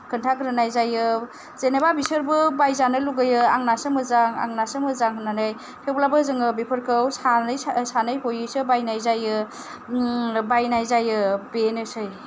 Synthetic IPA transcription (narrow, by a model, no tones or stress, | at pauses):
kʰɯntʰaɡɾɯnajzajɯ | z̥enebabisɯɾbɯbajzanɯluɡɯjɯaŋnasɯmɯzaŋa̰ŋnasɯmɯzaŋɦɯnanaj | pʰewblabɯzɯŋɯbepʰɯɾkʰɯwsanɯjsanɯjɦojɯsɯbajnajzajɯ | bajnajzajɯbenɯsɯj